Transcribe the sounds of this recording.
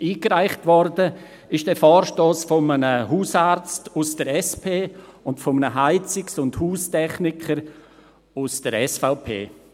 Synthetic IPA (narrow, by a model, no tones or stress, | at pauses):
ʔiːkɾaɪχtvɔɾdə | ɪʃd̥ɛːfɔːɾʃtoːsfɔmənəɦuːsaɾt͡stusd̥əɾɛspʰeːʊntfɔmənəɦaɪt͡sɪksʊndhuːstɛχnɪkʰəɾ | usd̥əɾɛsfaʊpʰḛː